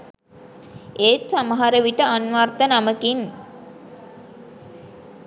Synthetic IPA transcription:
eːt̪saməɦaɾəʋiʈəanʋart̪ənaməkin

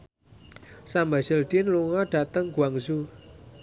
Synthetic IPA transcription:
sambaz̥əldinluŋɔɖ̥at̪əŋɡ̥uwaŋzu

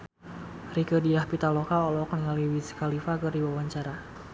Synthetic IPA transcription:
rikədiahpit̪alokaɔlɔknəŋaliwisi̥kalifakɨrdiwawaɲt͡ʃaɾa

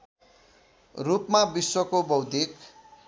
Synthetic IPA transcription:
rupmabiswʌkobʌwd̪ʱik

